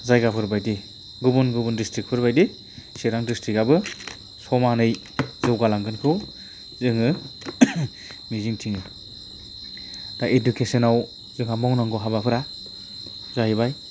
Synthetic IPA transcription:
zajɡapʰɯɾbajdi | ɡubɯnɡubɯndistɾik̚pʰɯɾbajdi | seɾaŋdistɾikabɯ | sɔmanɯj | zɯwɡalaŋɡɯnkʰɯw | zɯŋɯ | miziŋtʰiŋɯ | daʔedukʰesenaw | zɯŋhamɔwnaŋɡɔɦabapʰɯɾa | zajbaj

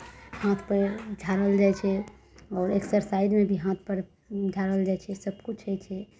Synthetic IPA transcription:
hãt̪ʰpəɾd͡ʒʱaɾəld͡ʒaɛt͡ʃʰɛ | ɔːɾeksəɾsajd̪mebʱiɦãt̪̚ʰpəɾ | d͡ʒʱaɾəld͡ʒajt͡ʃʰɛsəbkut͡ʃʰɦət͡ʃʰɛ

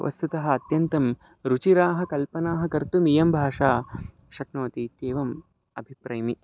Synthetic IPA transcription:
ʋɐ̰st̪ut̪ɐɦɐ̆ɐt̪jɐnt̪ɐm | ɾut͡ʃiɾaːɦɐ̆kɐlpɐnaːɦɐ̆kɐɾt̪umijɐmbʱaːʂaː | ʃɐknoːt̪it̪eːʋɐm | ɐ̰bʱipɾɐjɐmi

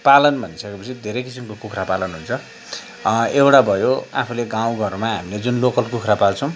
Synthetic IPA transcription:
palʌnbʱʌnisʌkepʌt͡sʰid̪ʱeɾʌjkisimkokukʰrapalʌnɦunt͡sʰʌ | ewʈabʱʌjoa̰pʰuleɡãw̃ɡʱʌɾmaɦamiled͡zunlokʌlkukʰrapalt͡sʰʌ̃w̃

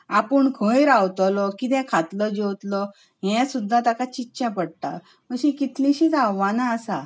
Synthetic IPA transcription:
apəɳkʰə̃jɾawt̪ɔlɔkit̪ɛ̃kʰat̪ləd͡ʑewt̪lɔ | ɦɛ̃sud̪ʱːat̪akat͡ɕitːɕɛ̃pəɽt̪a̰ | məɕĩkit̪ʰlĩɕiːt͡s̪aʋːanaːsa

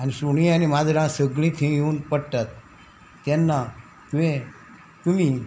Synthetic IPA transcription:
ənesuɳijanimad̪ɾãsəɡɭĩt̪ʰĩjũnpəʈat̪̚ː | enːa | ke | kumi

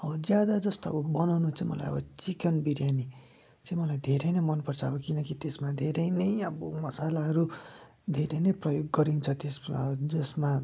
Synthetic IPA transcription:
ʌbʌd͡zjad̪ad͡zʌst̪oʌ̰bʌbʌnawnut͡saĩmʌ̰la̰jʌ̰bʌt͡sikenbiɾjani | t͡sãĩmʌlajd̪ʱeɾʌjnʌjmʌnpʌrt͡sʰʌʌbʌkinʌkit̪esmad̪ʱeɾʌjnʌjʌbʌmʌsalaɦʌɾu | d̪ʱeɾʌjnʌjprʌjoɡːʌɾint͡sʰʌt̪esd͡zʌsma

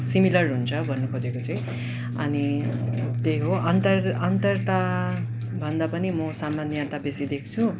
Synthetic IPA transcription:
similʌrɦunt͡sʰʌbʱʌnːukʰod͡zekot͡sʌĩ | ʌ̰ni | t̪eɦoʌnt̪ʌrʌnt̪ʌrt̪a | bʱʌnd̪apʌnimʌsamːanjʌt̪abesid̪ekʰt͡sʰu

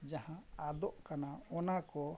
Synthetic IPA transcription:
d͡ʒahãad̪ɔʔkanaɔnakɔ

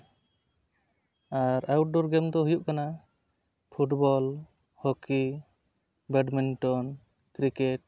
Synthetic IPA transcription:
aɾawʈ̚ɖɔɾɡɛmd̪ɔɦujuʔ̚kana | pʰuʈbɔl | hɔki | bɛɖminʈɔn | kɾikeʈ̚

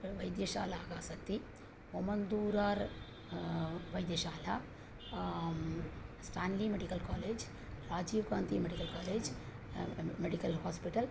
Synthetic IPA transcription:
ʋɐjd̪jɐʃa̰ːlaːɡaːsɐk̚t̪ːi | ɔmɐnd̪uːɾaːɾ | ʋɐjd̪jɐʃaːla̰ː | sʈaːnlimeɖikɐlkaːleːd͡ʒ | ɾaːd͡ʒiːʋɡaːnt̪imeɽikɐlkaːleːd͡ʒ | meɽikɐlhaːspiʈɐl

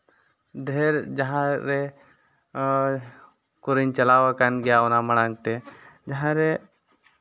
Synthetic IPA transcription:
dʱɛɾd͡ʒaɦãɾɛ | kuɾiɲt͡ʃɐlaːwakanɡɛjaɔnamɐɽ̃aŋt̪ɛd͡ʒaɦãɾɛ

